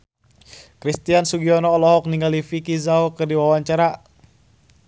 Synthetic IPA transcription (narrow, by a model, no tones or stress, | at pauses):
kɾist̪iansuɡiɔnɔːlɔɦɔk̚niŋɡalifikizaokɨrdiwawaɲt͡ʃaɾa